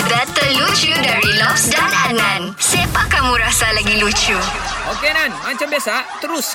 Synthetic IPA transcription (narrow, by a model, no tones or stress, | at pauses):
bɛt̪əlut͡ʃudaɹilɔfsdanad̚nãn | sepakamũɾasalaɡilut͡ʃuʔokenanmãɲt͡ʃambiasat̪əɾʊs